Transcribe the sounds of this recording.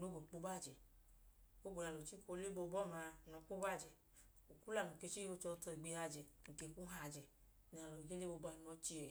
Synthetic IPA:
no˨˦ɡo˨k͡po˧˦ba˦˨d͡ʒɛ˨ | o˦ɡ͡bo˨ɾa˨˧lo˨t͡ʃi˦ko˧˦le˦bo˧bɔ˦˨ma˧nɔ˧˨k͡po˦ba˦˨d͡ʒɛ˨ | o˨ku˦la˨nu˨ke˧t͡ʃi˦o˧˦t͡ʃɔ˧˦tɔ˧i˨ɡ͡be˧a˧d͡ʒɛ˨ŋ̩˨ke˨ku˦ɦa˧˨d͡ʒɛ˨ | n˨a˨lo˨ɡe˦le˦bo˧ba˧˦˧n˦ɔ˧˦t͡ʃi˦ɛ˨

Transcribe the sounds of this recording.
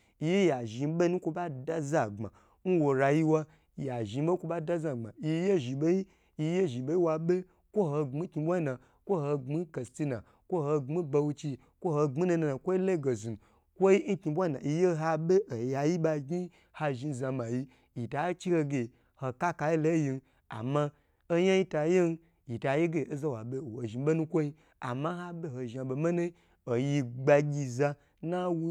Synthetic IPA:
i˧je˦ja˨ʒi˧˦ɓe˦nu˦kʷo˧ba˦da˦za˨ɡ͡ba̰˨ | n̩˦wo˧ɾa˧ji˦wa˦˨ | ja˨ʒi˨˧˦ɓe˦kʷo˧ɓa˦da˦za˨ɡ͡ba̰˨i˧˦je˦ʒi˨ɓe˦ji˦ | i˧je˦ʒi˨ɓe˦ji˦wa˧ɓe˦ | kʷo˦ɦo˧ŋ͡mi˦ki˧bʷa˦i˦na˨ | kʷo˦ho˧ŋ͡mi˦ke˨sti˦na˨ | kʷo˦ho˧ŋ͡mi˦ba˧wu˧t͡ʃi˧ | kʷo˦ho˧ŋ͡mi˦na˧na˧na˨kʷo˦i˦le˦˨ɡo˨zi˨n˨ | kʷo˦i˦n̩˦kʲi˧bʷa˦na̰˨i˧je˦ɦa˧be˦ʔo˨ja˧ji˦ba˧ɡi˦ | ha˧ʒi˧˨za˧ma˨ji˧ | ji˨ta˨˦t͡ʃi˦ho˧ɡʲe˨ | ho˧ka˦ka˧ji˦lo˦ji˧n˦ | a̰˨ma˧ | o˦ja˦ji˦ta˧˦je˦n˦ | ji˨ta˨je˦ɡe˨o˦za˦wa˨be˦o˨o˨ʒi˨˦be˦nu˦kʷo˦ji˧ | a̰˨ma˦ɦa˦be˦ho˧ʒa˧˨bo˧me˦ne˦ | o˨ji˧ɡ͡ba˧ɡʲi˧za˧ | na˦wu˦

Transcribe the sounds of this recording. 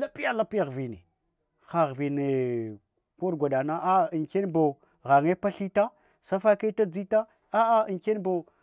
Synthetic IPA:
la˦pi˦ja˦la˦pi˦ja˨ɣvi˨nḛ˨ | xa˨ɣvi˨ne˨ | ko˦ɾɡʷa˨da˨na˦ʔa˦i˨nke˦nbo˨ | ɣa˨ŋe˦pa˦ɬi˦ta˦ | sa˦fa˦ka˦ta˦d͡zi˦ta˦ | a˦a˦i˨ke˦n˦bo˨

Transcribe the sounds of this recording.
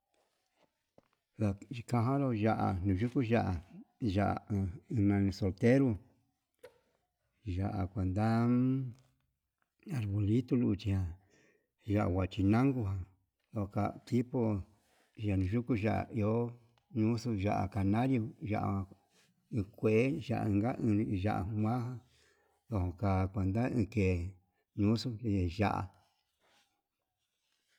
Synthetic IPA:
βa˨i˧kã˧ɦã˦lo˦˧ʒa˧ʔa̰˨nũ˨ʒu˦ku˦ʒa˦ʔa˨ʒa˨ʔnã˧so˧lt̪e˦ɾu˧ | ʒa˨ʔa̰˨kʷa˨nd̪a˦ | a˨ɾβo˨li˦t̪u˦˧lu˧t͡ʃi˧hã˧ | ʒa˧ʔa̰˨wa˨t͡ʃi˧nã˦ŋɡu˧ɦã˧ | ðo˧˨ho˧ka˧t̪i˦po˧ | ʒa˨nũ˨˧ʒu˦ku˦ʒa˨ʔa̰˨i˧o˦ | ɲũ˦su˧ʒa˧ʔa̰˨ka˧nã˦ɾjo˧ʒa̰˧ʔã˧ | ɨ̃˧kʷe˨e˦ʒa̰˨ʔa̰˧ɨ̃˧ŋɡa˦ʔʒa̰˧ʔa̰˨˧mʷã˦ɦã˧ | ðo˧hõ˧ka˧kʷe˧nd̪a˦ĩː˧ke˨ | ɲũ˦su˦˧˨ʒa̰˧˨ʔa̰˨

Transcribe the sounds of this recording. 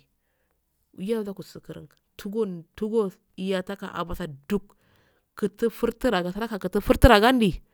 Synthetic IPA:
ja˦da˦ku˨sə˨kə˨ɾə̰˨ŋ | tʰu˦ɡu˦ntu˦ɡo˦ | i˨ja˨ta˦ka̰˨ʔa̰˨ba˨sa˨du˦kː | ə˨tə˦fu˦ɾti˦ɾa˨ɡa˨sa˦ɾa˦ka˨kə˨tə˦fu˦ɾti˦ɾa˨ɡa˦n˦di˨

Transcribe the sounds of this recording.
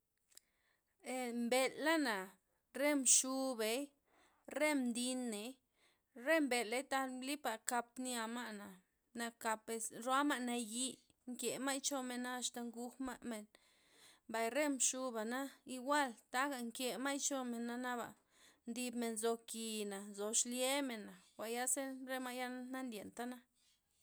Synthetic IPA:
e˨mbe˧lːa˦na˨ | ɾe˦mʂu˧be˨j | ɾe˦md̪i˧nːe˨˦j | ɾe˦mbe˨le˦jt̪a˧lli˦pa˨ka˧p̚nja˧ma˦ʔna˨ | na˧ka˧pe˧sɾwa˦ma˦ʔna˧ji˧ | ŋkje˨ma˦jt͡ʃo˧me˧na˦a˧st̪a˧ŋɡu˧xma˦ʔme˨n | ba˨jɾe˦mʃu˧ba˨na˦i˧ɡʷa˦˨lt̪a˦ɡa˨ŋkje˧ma˦jt͡ʃo˧me˨nːa˦na˦ba̰˨ | nd̪i˧bme˨nzo˧ki˨na˨nzo˨ʃlje˦me˨nːa˨xʷa˨ja˦se˦ɾe˦ma˦ʔja˦na˦nd̪ʲje˨nt̪a˦na˦

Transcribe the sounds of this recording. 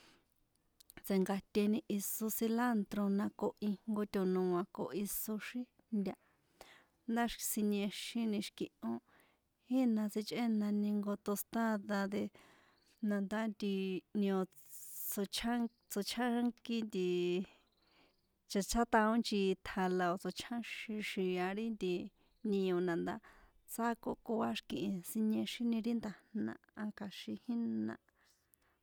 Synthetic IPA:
t͡se˨ŋɡa˧t̪ʲe˧nĩ˧ʔi˧so˧si˧la˦nt̪ɾo˧nã˧ko˧ʔi˧ŋŋɡo˧t̪ʲo˨nũ˧ã˨˧ko˨ʔi˧so˧ʃĩ˦ | nd̪ʲa˧ | nd̪a˦ʃsi˧ɲẽ˧ʃĩ˧nĩ˧ʃkĩ˧ʔõ˦ | hi˦nã˧t͡si˧t͡ʃʼʔe˦nã˧nĩ˧ŋɡo˧t̪o˧st̪a˦ða˧d̪e˧ | nã˧nd̪a˦nd̪i˧n˧õ˧ | t͡so˧t͡ʃʰa˦ŋ | t͡so˧t͡ʃʰa˦ŋki˦nd̪i˧ | t͡ʃa˧t͡ʃʰa˦t̪ã˧õ˦nt͡ʃi˧t̪ʰa˧la˧o˧t͡so˧t͡ʃʰã˦ʃĩ˧ʃi˧˨a˧ɾi˦nd̪i˧ | nĩ˧õ˧nã˨nd̪a̰˦ | t͡sa˦ko˧ʔko˧a˦ʃkĩ˧ʔĩ˧si˧ɲẽ˧ʃi˦nĩ˧ɾi˦nd̪a˧nnã̰˧ã˧ka˧ʃi˧hi˦nã̰˧

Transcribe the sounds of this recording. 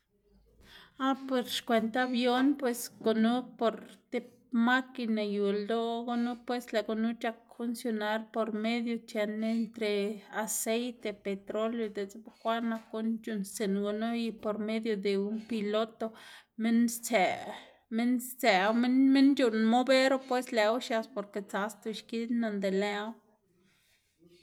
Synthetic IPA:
a˦pe˧ɾʃkʷe˨nt̪a˦bjo˦npwe˧sɡo˧nu˦po˨ɾt̪e˧p | ma˦ki˧na˨ju˨ld̪o˦ɡo˦nu˦pwe˦sla˨ɡo˨nu˦t͡ʃa˧k̚fu˧nsjo˧na˦ɾpo˧ɾme˦d̪jo˧t͡ʃe˧ne˧nt̪ɾe˨a˨se˦jt̪e˧pe˨t̪ɾo˦ljo˧d̪e˨t͡sbxʷa˦na˧ku˦nt͡ʃu˧˨nst͡se˨nɡo˧no˦ji˧po˨ɾme˦d̪jo˧d̪e˨u˦npi˧lo˦t̪o˧me˦nt͡se˨ | me˦nt͡se˨˧wme˦nme˦nd͡ʒu˧nmo˦be˦ɾo˦pwe˦sle˨wʃa˧spo˨ɾke˨t͡sa˧st̪u˧ʃki˦d̪na˧nd̪e˨le˦w

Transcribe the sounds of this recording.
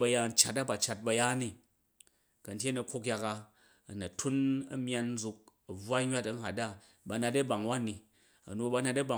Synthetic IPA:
bɐ˧ja˧n̩˦t͡ʃa˨ta˦ba˨t͡ʃa˧t̚bɐ˧ja˦ni˦ | kɐ˨n̩˦tʲje˦nɐ˧kʷo˦k̬ʲja˧ka˧ | ɐ˨nɐ˨tʰu˦nɐ̰˦mʲ˦a˧n̩˦zu˧k̚ɐ˨b͡vwa˦ɲʲwa˦tɐ˦n̩˨a˨tda˦ | ba˨˧na˧tɐ˦ba˨ŋ˨wa˦ni˨ | ɐ̰˨no˨ba˧˦na˧tɐ˦ba˨

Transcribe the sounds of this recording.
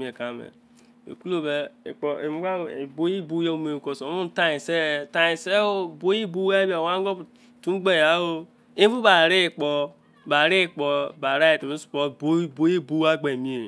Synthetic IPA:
mi˦e˨ka˨˦˨mḛ˨ | ḛ˨ku˦lo˦be˨k͡pɔ˨e˨mu˦ɡa˦˨e˨bo˦ji˦bu˦je˦u˦me˨ko˨so˨˦u˦n˦ta˦i˨se˦ta˨ji˨se˦o˦˨bo˦ji˦bu˦a˦ba˨wa˦ɡo˦˨ | tu˦ɡ͡be˦˨a˨˦o˦ | i˦bu˦ba˨ɾi˦˨k͡pɔ˨ | ba˨ɾi˦˨k͡pɔ˨ba˨ɾa˦ji˨to˨e˦su̥˨po˨bo˦bo˦ji˦bu˦a˦ɡ͡be˨mi˦e˨

